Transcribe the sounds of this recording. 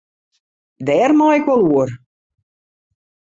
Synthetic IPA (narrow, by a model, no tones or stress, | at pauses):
dɛːrmaɪkʋɔlˠuər